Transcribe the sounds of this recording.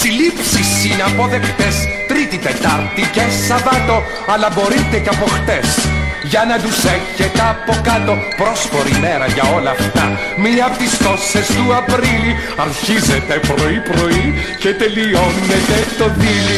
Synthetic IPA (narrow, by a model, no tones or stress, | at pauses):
silipsisinɐpo̞ðe̞kt̪est̪ɾit̪it̪e̞t̪ɐɾt̪icesɐvɐt̪o̞ | ɐlɐbo̞ɾit̪eceɐpo̞xt̪e̞sʝɐnɐd̪useçet̪eɐpo̞kɐt̪o̞pɾo̞sfo̞ɾime̞ɾɐʝɐo̞lɐːft̪ɐ̰ | minɐpt̪isk̪o̞sest̪uɐpɾili | ɐɾçizet̪epɾo̞ipɾo̞i | cet̪e̞lio̞net̪e̞t̪o̞ðili